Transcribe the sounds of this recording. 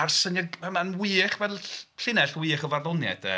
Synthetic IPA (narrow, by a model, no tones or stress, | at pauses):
arsənɛɛmanwɨːχvɛlˠɬɪnɛɬwiːχɔvarðɔnjɛ̰d̥ə